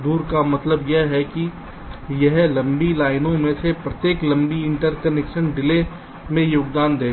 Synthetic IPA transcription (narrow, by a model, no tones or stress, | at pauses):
d̪uːɾkamɐt̪ləbjɛɦɛki | jɛɦlɐ̃mbilaːɪnõmẽsepɾɐt̪jeːklɐ̃mbiɪ̃ɳʈəɾkɐnɛkʃənɖɪle | mẽjoːɡd̪aːnd̪eː